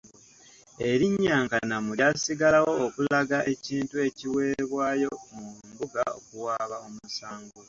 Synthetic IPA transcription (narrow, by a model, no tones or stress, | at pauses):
e̞ɾiɲːaːŋkanamuljasiɡalawo̞ːkulaɡaʔe̞ciːntue̞ciwe̞ːβwaːjo̞mumbuɡao̰kuwaːβao̞musaːŋɡula